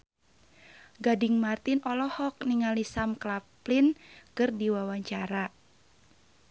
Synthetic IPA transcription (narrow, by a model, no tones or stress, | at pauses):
ɡadɪŋmart̪inɔlɔhɔk̚niŋalisamklaplinkɨrdiwawaɲt͡ʃaɾa